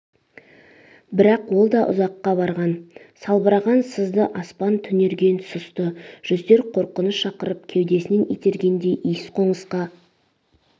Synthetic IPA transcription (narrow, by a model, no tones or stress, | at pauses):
bɪɾɑqwo̞lˠd̪ɑʔʊ̰zɑqːɑbɑɾʁɑnsɑlˠbəɾɑʁɑnsəzd̪əʔɑspɑnt̪ʰʏne̞ɾɡʲe̞nsʊst̪əʒ̥ʏzd̪e̞ɾqʰo̞ɾqənəsʃɑqəɾəpkʲʰewd̪e̞sɪne̞nʔḭjt̪ʰe̞ɾɡʲe̞nd̪e̞ʔijɪsqʰo̞ɴəsqɑ